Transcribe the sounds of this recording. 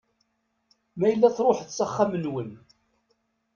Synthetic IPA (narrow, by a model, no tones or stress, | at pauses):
mæjəlːæθɾˤoħθsəχːamənwən